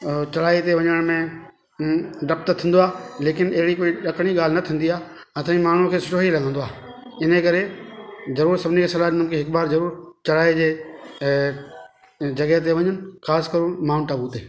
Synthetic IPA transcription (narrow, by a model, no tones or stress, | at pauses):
t͡ɕɐɽaːit̪eʋɐ̃ɲəəɽ̃mẽ | ɖɐp̚t̪t̪ʰĩːn̆d̪oaːleːkɪnɐɦɪɽikoːiɗɐkɽ̃iɠaːl̤ɪnɐt̪ʰĩːnd̪iãː | t̪ːĩmaːɳ̤ũkʰeːsʊʈoːɦilɐɡʱə̃nd̪oa̰ː | ɪnəkɐɾezɐɾuːɾsɐbʱɪnikʰeːsɐlaːɗɪnə̃mkʰeɦɪkbaːɾzɐɾuːɾt͡ɕɐɽaːed͡ʑeː | d͡ʑɐɠəɦet̪̬eʋɐ̃ɲənɪ̆xaːskɐɾʊmaːʊnʈaːbut̪eː